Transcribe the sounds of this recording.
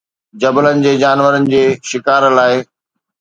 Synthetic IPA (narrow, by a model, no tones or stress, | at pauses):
d͡ʑɐbələnɪ̆d͡ʑeːd͡ʑaːnʋəɾənɪ̆d͡ʑeːʃɪkaːɾlaːɪ